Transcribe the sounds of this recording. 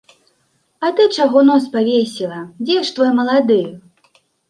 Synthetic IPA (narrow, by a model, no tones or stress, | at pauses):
ɐt̪ɨt͡ʂaɣɔnɔspavʲesʲilˠɐd͡zʲɛʂt̪vɔjmɐlˠad̪ɨj